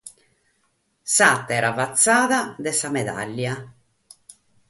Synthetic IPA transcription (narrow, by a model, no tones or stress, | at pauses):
sat̪ːɛːɾavat̪sːaːðad̪ɛsamɛd̪a̰lːja